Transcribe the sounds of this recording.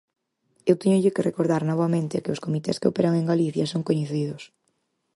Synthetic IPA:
ewt̪eɲʊʎɪkɪrekoɾðaɾnɔβamẽnt̪ɪkɪʊskomit̪ɛ̰skɪopeɾaŋeŋɡaliθjasoŋkoɲeθiðʊs

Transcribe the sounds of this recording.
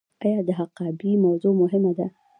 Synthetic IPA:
ʔajad̪ɪɦɑqɑːbimawzˤuːʔmʊɦɪmːad̪a

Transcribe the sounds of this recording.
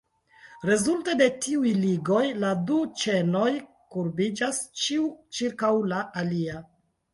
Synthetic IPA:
ɾe̞zulte̞de̞tiujliɡo̞jladut͡ʃe̞no̞j | kuɾbid͡ʒast͡ʃiut͡ʃiɾkawlaʔːlia

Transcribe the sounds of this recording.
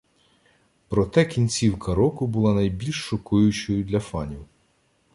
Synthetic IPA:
pɾɔt̪ɛkʲinʲt͡sʲiwkɐɾɔkʊbʊlˠɑnɐjbʲilʲʃːɔkujʊt͡ʃɔjʊd̪lʲɐfɑnʲiw

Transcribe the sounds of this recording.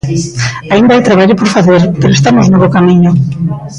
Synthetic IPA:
aind̪aajt̪ɾaβaʎʊpoɾfaθeɾpeɾoest̪amoznoβokamiɲʊ

